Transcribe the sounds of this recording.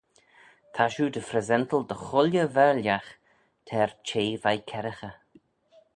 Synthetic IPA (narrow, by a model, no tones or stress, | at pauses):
t̪ʰaʃuːd̪əfɾɛzɛnt̪əlˠd̪əxʊljəvɛɹljax | t̪ʰɛɹt͡ʃʰeːvajkʰɛɾəxə